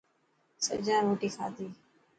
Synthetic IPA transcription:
sə̰d͡ʒaːɾoːʈiːkʰa̰ːd̪iː

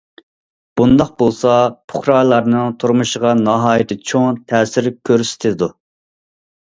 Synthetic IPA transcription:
b̥und̪ɑq̚bolˠsɑpʰʊ̥χɾɑːlˠɑɾnɨŋt̪ʰuɾmuʃəʁɑnɑɦɑːjɪt̪ʰɪt͡ʃʰoŋt̪ʰɛːsɪɾkʲʰøɾsɪ̥t̪ʰɪd̪u

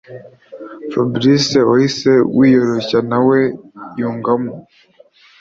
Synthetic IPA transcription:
fabɾiseohisewiːjoɾocanawejuːŋɡamu

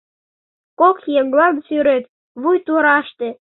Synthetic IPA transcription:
kokjeŋɡlɑnsyɾet̪ | βujt̪uɾɑʃt̪ĕ

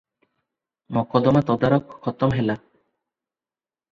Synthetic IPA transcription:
mɔkɔd̪ɔmat̪ɔd̪aɾɔkʰːɔt̪ɔmɦela

